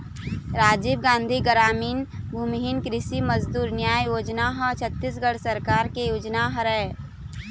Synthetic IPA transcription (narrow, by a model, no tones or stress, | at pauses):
ɾaːd͡ʒiːbɡãːnd̪ʱiɡəɾaːmiːnbʱumɦinkɾɪsiməzd̪uːɾnjaːjjoːd͡ʒnaɦət͡ʃʰət̪ːis̬ɡəɽsəɾkaːɾkejoːd͡ʒnaɦɾɛ